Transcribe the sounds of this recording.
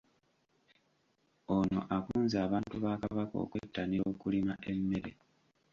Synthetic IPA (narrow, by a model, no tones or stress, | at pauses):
ono̞̰ʔakuːnzaːβaːntuβaːkaβako̞̰ːkwetːanioːkulimaʔemːe̞ɾe